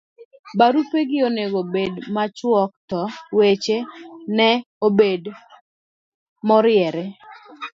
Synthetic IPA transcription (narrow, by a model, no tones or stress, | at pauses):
baɾupeɡɪoneɡobedmat͡ʃwɔk̚tɔwet͡ʃenɛ | obed | mɔɾɪɛɾɛ